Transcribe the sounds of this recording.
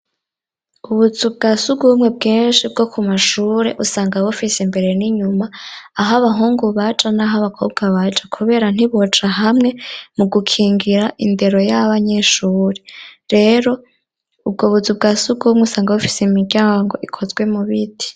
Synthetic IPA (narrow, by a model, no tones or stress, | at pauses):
uβuzubɡasuɡuumŋe̞b̚ɡeːnnʃib̚ɡo̞kʰumaʃuːɾe̞̰ʔusaːŋɡawofisembe̞ɾe̞niɲumaːɦaβaɦuːŋɡuβat͡ʃʼanaɦaβakʰob̚ɡaβat͡ʃʼakʰuβe̞ːɾan̥iβot͡ʃaɦamŋe̞muɡukʰiːŋɡiɾaʔinde̞ɾo̞jaβaɲe̞ʃuːɾeɾe̞ɾo̞ | ub̚ɡoβuzub̚ɡasuɡumŋeusaːŋɡawofiseimiɟjaːŋɡo̞ʔikʰo̞zɡwe̞muβiti̥